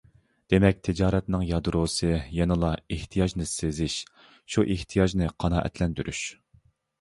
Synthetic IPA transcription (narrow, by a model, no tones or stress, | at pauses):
d̪̥emɛk̚ʲt̪ʰɪd͡ʒɑːɾɛt̪nɨŋjɑd̪ɾosɨjɛnɨlˠɑeht̪ʰijɑʒnɨsezɪʃ | ʃuʔeht̪ʰijɑʒnɨqʰɑnɑːʔɛ̰t̪ʰlɛnd̪yɾʔyʃ